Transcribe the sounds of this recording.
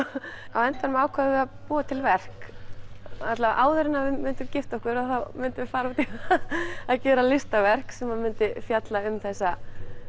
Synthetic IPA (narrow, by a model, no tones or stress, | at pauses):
awɛnt̪vanʏmaːwkʰvaðɪvɛðapuːat̪ʰɪlvɛr̥k | nat̪lavaʔaːwðʏɾɪnːavɪmʏnt̪ʏmcɪft̪ɔhkʏɾaθawmʏnt̪ɪvɪfaːɾaut̪i | aðcɛːɾalɪst̪avɛr̥ksɛmhaðmʏnt̪ɪfjat̪laʏmθɛsːa